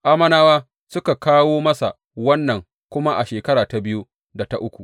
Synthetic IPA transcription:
ʔa˦mɐ˦naː˦waː˦ | sʊ˦ka˨kaː˦woː˦mɐ˦sa̰˨ | wɐ˦nːɐ˨ŋ | kʷʊ˦ma˦ʔa˨ʃeː˨kɐ˦ɽaː˨ta˨bɪ˦ju˦ | da˨ta˦ʔʊ˦kʷu˨ʔ

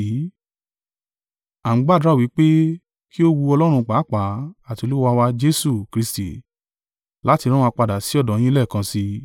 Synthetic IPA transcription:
ã˨˦ɡ͡ba˦˨dɾa˦˨wi˨˦k͡pe˦ | ki˦o˦wu˧ɔ˧lɔ˦ɾ̃ũ˧k͡paː˨˦˨k͡pa˨˦a˦˨ti˨˧o˧lu˦wa˧wa˧d͡ʒe˦su˦˨kɾi˦˧sti˨ | la˦ti˧ɾ̃ã˦wa˧k͡pa˧da˨si˨˦ɔ˦˨dɔ̃˨j̃ĩ˦lɛ˦˨kã˧si˧

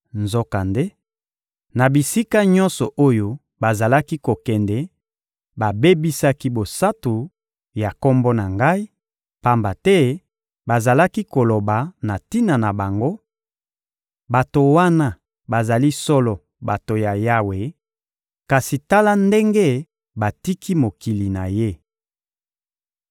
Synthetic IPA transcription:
nzo˦ka˨nde˦ | na˨bi˨si˦ka˦ɲɔ̃˦nsɔ˨ʔo˦jo˦ | ba˨za˨la˦ki˦ko˨kɛ˨ndɛ˨ | ba˨be˦bi˦sa˦ki˦bo˨sa˦tu˨ | ja˨kɔ˦mbɔ˦na˨ŋɡa˦i˦ | pa˦mba˨tɛ˦ | ba˨za˨la˦ki˦ko˨lo˨ba˨na˨ti˦na˨na˨ba˨ŋɡo˦ | ba˨to˨wa˦na˦ | ba˨za˨li˦sɔ˦lɔ˨ | ba˨to˨ja˨ja˦we˨ | ka˨si˨ta˦la˦nde˦ŋɡe˦ | ba˨ti˦kʰi˦mo˨ki˨li˨na˨je˦

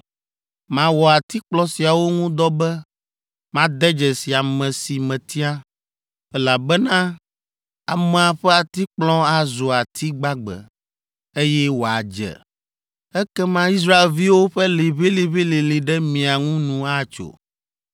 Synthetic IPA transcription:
mã˨wɔ˨a˨t̪i˦k͡plɔ̃˦si˨a˨wo˦ŋũ˦d̪ɔ˦bɛ˦ | mã˦d̪ɛ˦d͡ʒɛ˨si˨a˨mɛ̃˨si˨mɛ̃˨t̪i˦a˦ | ɛ˦la˨bɛ˦nã˦ | a˨mɛ̃˨a˨ɸɛ˦a˨t̪i˦k͡plɔ̃˦a˨zo˨a˨t̪ʰi˦ɡ͡ba˦ɡ͡bɛ̰˨ | e˦jɛ˦wo˨a̰˨d͡ʒɛ̰˨ | ɛ˦kɛ˦mã˦i˦s̬ɾa˦e˨lvi˦wo˦ɸɛ˦le˨βe˦le˨βe˦le˨le˨ɖɛ˦mĩ˨a˨ŋũ˦nũ˨a˦t͡ʃo̰˨

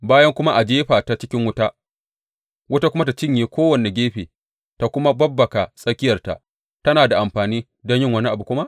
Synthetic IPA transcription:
baː˦jɐ˦ŋkʷʊ˦ma˦ʔa˨d͡ʒeː˦ɸaː˨ta˨t͡ʃɪ˦kʲɪ˦ŋwʊ˦ta˦ʔ | wʊ˦ta˦kʷʊ˦ma˦ta˨t͡ʃɪ˦˨ɲjeː˨kʷoː˦wɐ˨ne˨ɡʲeː˦ɸeː˨ | ta˨kʷʊ˦ma˦bɐ˦bːɐ˨ka˨sʼɐ˦kʲɪ˦jɐ˨rta̰˨ʔ | tɐ˦naː˨da˨ʔa˨mɸaː˨niː˦ | dɔ˦ɲjɪ˦˨ŋwɐ˦ni˦ʔa˨bu˨kʷʊ˦ma˦ʔ

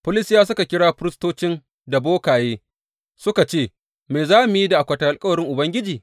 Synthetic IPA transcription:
pʊ˦lɪ˦sjaː˦sʊ˦ka˨kʲɪ˦ɽaː˦ɸʊ˦ɾɪ˦stoː˦t͡ʃɪ˦n | da˨boː˦kaː˨jeː˦ | sʊ˦ka˨t͡ʃeː˦˨ | meː˨zaː˦mʊ˨ji˦da˨ʔa˨kʷɐ˨ta˨ʔa˨lkʼɐ˦wɐ˨ɽɪ˦ŋʔʊ˨bɐ˦ŋɡʲɪ˦d͡ʒiː˨

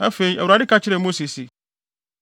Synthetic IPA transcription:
a˦fe˨i˦ʔæ̰˨wɾa˨dɪ˦kʰa˦t͡ɕʰɪ˦ɾɛ˨mo˦si˨si˨

